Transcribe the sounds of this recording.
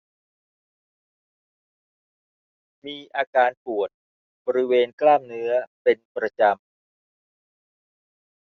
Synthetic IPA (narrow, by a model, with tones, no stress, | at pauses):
miː˧ʔaː˧kaː˧npu˨˩ət̪̚ | bɔː˧ɾi˦˥weː˧nklaː˥˩mnɯ˦˥ɐpe˧npɾa˧t͡ɕa˧m